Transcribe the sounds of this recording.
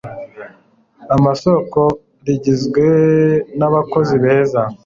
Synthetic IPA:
amaso̞ko̞ | ɾiɟizɡwe̞naβako̞ziβe̞ːza

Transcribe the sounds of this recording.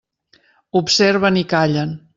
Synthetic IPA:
upseɾβənikaʎən

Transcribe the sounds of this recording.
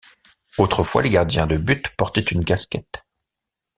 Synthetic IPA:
ot̪χəfwa̰leɡaʁd̪jɛ̃d̪əbyt̪pɔʁt̪ɛt̪ynkaskʲɛt̪

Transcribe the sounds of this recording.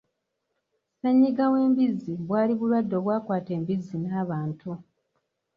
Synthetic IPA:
seɲːiɡawe̞ːmbizːiβwaːliβulwadːo̞βwaːkwaːte̞ːmbizːinaːβaːntu

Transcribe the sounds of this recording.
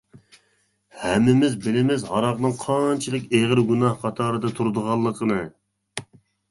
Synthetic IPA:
hɛmːɪmɪzbɪlɪmɪzhɑɾɑʁnɨŋqʰɑnt͡ʃʰilˠəkʲeʁəɾɡunɑhqʰɑt̪ʰɑːɾɨd̪ɑt̪ʰuɾd̪əʁɑlˠːəqʰənɨ

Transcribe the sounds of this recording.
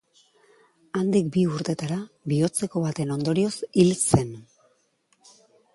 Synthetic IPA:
and̪ikbiuɾt̪e̞t̪aɾa | βio̞t͡se̞ko̞βat̪e̞no̞nd̪o̞ɾio̞silse̞n

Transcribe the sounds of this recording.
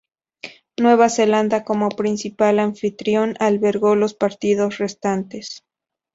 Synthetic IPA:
nwe̞βase̞land̪ako̞mo̞pɾinsipalaɱfit̪ɾjo̞nalβe̞ɾɣo̞lo̞spaɾt̪ið̞o̞sre̞st̪ant̪e̞s

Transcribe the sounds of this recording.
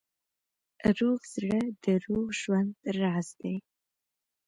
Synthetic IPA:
ruːʁz̥rɐd̥ɨruːʁʒwɐndraːzdej

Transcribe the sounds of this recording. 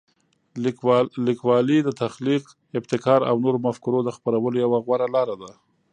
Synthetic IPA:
likwɑlid̪ət̪axliq | ɪbt̪ɪkɑɾa̰wnoɾomafkʊɾod̪əxpaɾawəlojawaɣwaɾalɑɾad̪a

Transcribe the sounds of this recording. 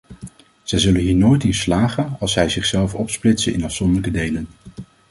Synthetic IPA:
z̥ɛjzɵlənɦiːɹnojtɪnslaːχənɑlˠsɛjzɪχsɛlˠfɔpsplɪtsənʔɪ̰nɑfsɔndələkədejlən

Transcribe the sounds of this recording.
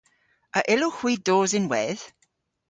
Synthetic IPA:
əʔɪloxw̥iːdoːzɪnwɛð̥

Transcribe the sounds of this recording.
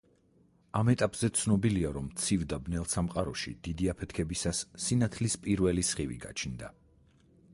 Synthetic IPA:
amɛt̪ʼapʼz̥ɛt̪sʰnɔbiliaɾɔmt̪sʰivd̪abnɛlˠsamqʼaɾɔʃḭd̪̥id̪iapʰɛt̪ʰkʰɛbisasːinat̪ʰlispʼiɾvɛlisχivḭɡa̰t͡ʃʰnd̪a

